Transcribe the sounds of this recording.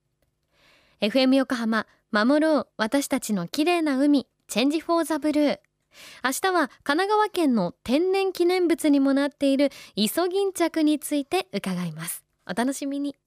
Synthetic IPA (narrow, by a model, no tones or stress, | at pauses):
e̞ɸɯ̟e̞mɯ̟jo̞ko̞ɦama | mamo̞ɾo̞ːβat̪aɕi̥t̪at͡ɕino̞kʲiɾe̞ːnaɯ̟mʲi | t͡ɕẽ̞ɲ̟d͡ʑiɸo̞ːzabɯ̟ɾɯ̟ː | aɕi̥t̪aβakanaɡaβakẽ̞nːo̞t̪ẽ̞nːẽ̞ŋkʲinẽ̞mbɯ̟t͡sɨɲ̟imo̞nat̪ːe̞iɾɯ̟iso̞ɡʲĩɲ̟t͡ɕakɯ̟ɲ̟it͡sɨit̪e̞ɯ̟kaɡaimasɨ̥ | o̞t̪ano̞ɕimʲiɲ̟i